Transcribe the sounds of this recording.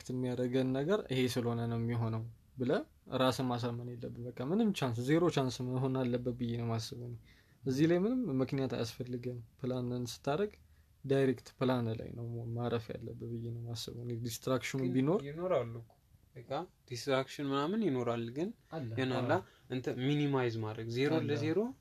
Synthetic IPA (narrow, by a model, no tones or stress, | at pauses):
kt̪ɨmːijaɾəɡənːəɡəɾɨ̰he̞sɨlhonənəwmːiɦo̞nəw | bɨlə | ɾasɨmːas̬əɾmənelːəbːɨbəkʼːamːɨnɨmt͡ʃʰans̬ze̞ɾo̞t͡ʃansɨməɦonalːəbːət̪̚bɨjːenəwmasːəβəne | əzːihlajmɨnɨmːɨknijat̪a̰ja̰sfəlːɨɡənpʰɨlanɨnsɨ̥t̪ʰːaɾəɡ | d̪ajɾekt̪pʰɨlanla̰jnəwmaɾəfja̰lːəbːət̪̚bɨjːenəwmasːə̰βənd̪ist̪ɾakʃɪnbino̞ɾɪnoɾalː | ɨkad̪̥ist̪ɾakʃɪnmɨnamɨnjɪno̞ɾalːɡɨnɛnalːa | ʔɨnt̪ʰəminimajzmad̪ɾəɡze̞ɾoləzeɾo